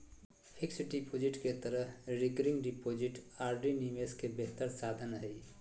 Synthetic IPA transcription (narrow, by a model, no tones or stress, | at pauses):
pʰɪksɖipʰoːd͡ʒɪʈket̪əɾəɾɪkɾɪ̃ŋɡɖipoːd͡ʒɪʈaːɾɖiniːmeskebeɦt̪əɾsaːd̪ʱənɦɛi